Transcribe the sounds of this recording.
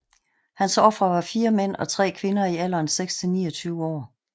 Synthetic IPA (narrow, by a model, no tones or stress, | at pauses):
hænsɒ̽fʁɐʋɑ̈fiːɐmen̰ɒ̽t͡sʰʁɛ̰ːkʰʋe̝nɐiæl̰ɐnseɡ̥st͡sʰe̝nḭːɒt͡sʰyːʊəɒ̰ː